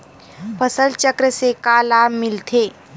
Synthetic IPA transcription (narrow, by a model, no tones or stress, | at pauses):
pʰəsəlt͡ʃəkɾəsekalaːbmɪlt̪ʰeː